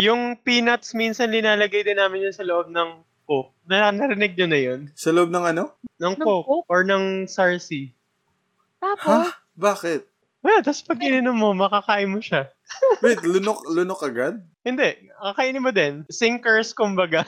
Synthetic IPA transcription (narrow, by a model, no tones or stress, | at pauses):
jʊŋpiːnɐt̪sminsɐnlɪnaːlɐɡɐjd̪ɪnːaːmɪnjʊnsɐloʔob̚nɐŋ | kok̚nɐnɐɾɪnɪɡ̚ɲonɐjonsɐloʔb̚nɐŋɐno̞nɐŋkokʔoɹnɐŋsaɹsi | t̪aː | baːkɛt̪̚ | wɐlat̪ɐspɐɡ̚ɪnɪnomːomɐkɐkaːʔɪmːoʃa | wɛt̪lʊnoklʊnokʔɐɡad̪̚ | hɪnd̪ɛʔ | kɐkaʔinɪmːod̪ɛnsɪŋkɛɹskʊmbɐɡa